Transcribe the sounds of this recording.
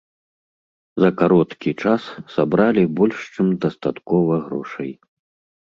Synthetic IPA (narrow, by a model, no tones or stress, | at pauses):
zɐkaɾɔt̪kʲit͡ʂasːabɾalʲibɔlʲʂt͡ʂɨmd̪ɐst̪at̪kɔvɐɣɾɔʂɐ̰j